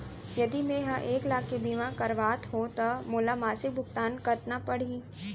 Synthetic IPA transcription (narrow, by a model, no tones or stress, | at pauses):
jɐd̪imẽɦãʔeːklaːkːebiːmãkɐɾʋaːt̪ɦot̪ɐmoːlamaːsɪk̚bʱʊkt̪aːnkɐɾt̪napɐɽ̤iː